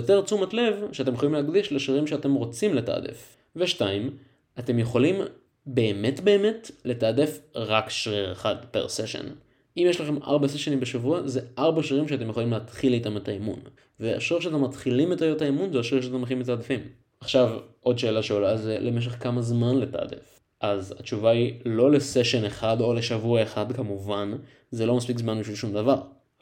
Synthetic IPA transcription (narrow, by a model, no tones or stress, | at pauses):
jote̞ʁt͡sumatle̞vʃeatemjeχolimlehaɡdiʃleʃiʁimʃeate̞mʁo̞t͡simleta̰ːdḛf | veʃtaim | ate̞mjeχolim | be̞ːme̞tbe̞ːme̞tle̞taːdefʁakʃʁiʁḛχadpḛʁseʃḛn | imjeʃlaχe̞mʔa̰ʁbaseʃenimbeʃavuazeʔaʁbaʃiʁimʃeatemjχolimleːat̪χilitametaemṵn | vea̰ʃʁiʁʃeat̪̬ematχilimetajotaimunzeaʃʁiʁʃeatemeχimet̪aːdifim | aχʃavʔo̞dʃe̞ːlaʃeolazelʔemeʃ̬e̞χkamazmanle̞ta̰ːdḛf | ʔazat͡ʃuvailo̞le̞seʃe̞neχado̞le̞ʃavuaeχadkamuvan | zelo̞maspikzmanbiʃvilʃumd̪avaʁ